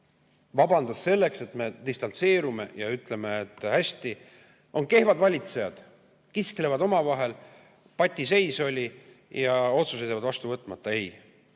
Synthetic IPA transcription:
vɑbɑnd̪̥ɑsːe̞lːe̞kse̞t̪me̞d̪̥ist̪ɑnt̪se̞ːɾume̞jɑyt̪ˑle̞me̞ːt̪ːˑhæsʲt̪i | o̞nke̞hvɑd̪vɑlʲit̪se̞jɑd̪̥ | kiskle̞vɑd̪o̞mɑvɑɦe̞l | pɑt̪ʲːˑise̞jso̞lʲi | jɑo̞t̪suset̪jɑvɑd̪vɑst̪uvɤt̪ːˑmɑt̪ˑːɑe̞j

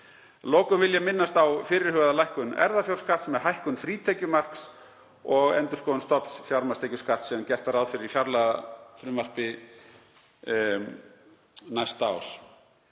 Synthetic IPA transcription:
lɔːkʏmvɪljamɪnːast̪awfɪːɾɪɾ̥hʏɣaðalajhkʏnɛ̰ɾðafjawr̥skaht̪smɛðɦajhkʏnfɾiːt̪ʰɛjcʏmar̥ks | ɔɣɛ̰nt̪ʏɾ̥skoːwʏnst̪ɔpsfjawɾmast̪ejcʏskaht̪sɛmcɛr̥t̪aɾaðfɪɾɪɾifjawɾlafɾʏmar̥pɪ | najst̪aws

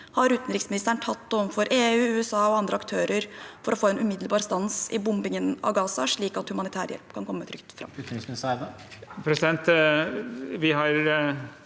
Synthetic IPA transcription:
hɑɾʉːt̪n̩ɾɪksmɪnɪst̪əɳʈʰɑt̪ːɔfɔɾʔeːʉːʉːɛsɑːɔɑnd̪ɾəɑkt̪ʰøːɾəɾfɔɾɔfoːɛnʔʉmɪd̪l̩bɑːɾst̪ɑnsɪbʊmbɪŋənɑ̰ʋɡɑːsɑʂɭiːkɑt̪hʉmɑnɪt̪ʰæ̰ːɾjɛ̰lpkʰɑnkʰɔmːət̪ʰɾʏkt̪fɾɑ̰mːss | pʰɾɛsɪd̪ɛnt̪ | ʋɪɦɑɾ

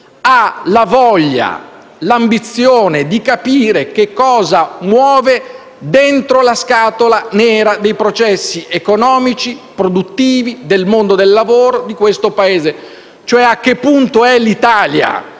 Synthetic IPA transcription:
alavɔʎːa̰ | lambit̪sːjoːned̪ikapiːɾek̟ekːɔːzamwɔːve | d̪ent̪ɾolaskaːt̪olanɛːɾad̪ejpɾot͡ʃɛsːiʔekonɔːmit͡ʃipɾod̪ut̪ːiːvid̪elmond̪od̪elːavoːɾod̪ikwest̪opaeːze | t͡ʃoɛak̟ːepːunt̪oɛlit̪aːlja̰

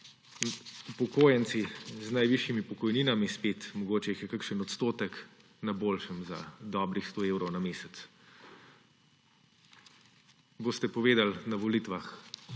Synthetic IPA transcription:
upɔkoːjənt̪siznajʋiʃjimipɔkɔjniːnamispet̪mɔɡoːt͡ʃɛixjɛkakʃənɔt̪st̪oːt̪ək | naboːlʃəmza̰d̪ɔːbɾixst̪oewɾɔwnameːsɛt̪s | boːst̪ɛpɔʋeːd̪alnaʋɔlit̪ʋax

